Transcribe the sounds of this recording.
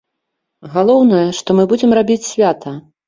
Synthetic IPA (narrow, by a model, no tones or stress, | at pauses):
ɣalˠɔwnɐjɐʂt̪ɔmɨbud͡zʲɛmrabʲit͡sʲsʲvʲat̪ʰɐ